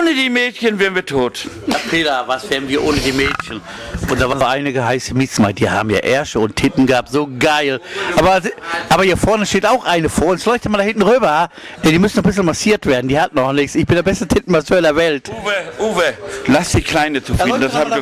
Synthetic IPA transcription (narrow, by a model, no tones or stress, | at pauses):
nədiːmeːtçənvɛːɐnviːɐtʰoːt | afeːlavasv̥ɛːʁənviːɐʔoːnədiːmeːtçənʔʊntd̥avaːnzʔaɪnɪɡəɦaɪsəmismaɪdiːɐha̰ːbm̩ja̰ːʔɛɐʃəʊntʰɪtn̩ɡəhap̚tz̥oːɡaɪlʔaːbɐzʔaːbɐhiːɐfɔɐnəʃteːtaʊxʔaɪnəfoːɐʊnslɔʏçtəɪmaldahɪntn̩ʁøːbɐa | ʔɛːdiːmʏsn̩ɔχb̥ɪs̬l̩masiːɐtv̥eːɐdn̩diːhatnɔχnɪçsɪçb̥ɪndeɛɐbɛstətʰɪtn̩masøːɐdeːɐvɛltːvəʔuːvəlasd̥iːkʰlaɪnət͡sufidn̩dashaːbm̩